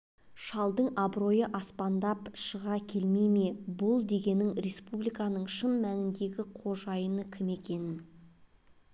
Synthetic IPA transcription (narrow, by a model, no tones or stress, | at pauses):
ʃɑlˠd̪əɴɑbɾo̞jəʔɑspɑnd̪ɑpʃəʁɑkʲʰe̞lme̞me̞bʊlˠd̪e̞ɡʲe̞nɪŋɾe̞spublijkɑnəɴʃəmːæŋɪnd̪e̞ɡʲɪqʰo̞ʒɑjənəkʲʰɪme̞kʲe̞nɪn